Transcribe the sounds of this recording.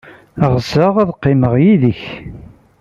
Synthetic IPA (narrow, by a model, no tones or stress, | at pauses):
əʁzəʁæðqːɪməʁjiðəç